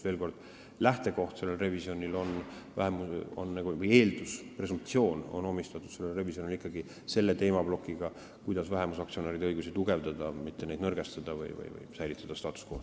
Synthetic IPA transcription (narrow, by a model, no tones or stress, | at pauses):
veːlko̞rd̪̥ | læht̪e̞ko̞ht̪se̞lːelre̞visjo̞nʲilo̞nvæɦemuo̰nːɑɡuvɯje̞ːld̪̥uspre̞sump̚t̪sio̞ːno̰no̞mist̪ɑt̪ːˑud̪se̞lːelre̞visjo̞nʲilikːɑɡi | se̞lːe̞t̪e̞ːmɑb̥lo̞kːˑiɡ̥ɑ | kujd̪ɑsvæɦemusɑkt̪sio̞neːɾid̪eɤjɡusit̪uɡe̞vd̪ɑd̪̥ɑmit̪ːenejd̪nɤrɡest̪ɑd̪̥ɑvɯ̰jvɯ̰jvɯ̰jsæjlit̪ːˑɑd̪̥ɑst̪ɑːt̪ːˑu̥sko̰h